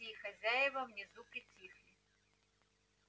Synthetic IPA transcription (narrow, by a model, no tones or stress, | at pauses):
ixɐzʲajɪʋɐwnʲizukɪt͡sʲixlʲi